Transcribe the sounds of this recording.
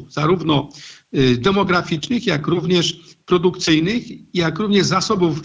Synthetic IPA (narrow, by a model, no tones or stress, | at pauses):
fz̥aɾuvnɔ | d̪ɛmɔɡɾafʲit͡ʂnɘxjakɾuvɲɛʂpɾɔd̪ukt̪sɘjnɘxjakɾuvɲɛʐzasɔbuf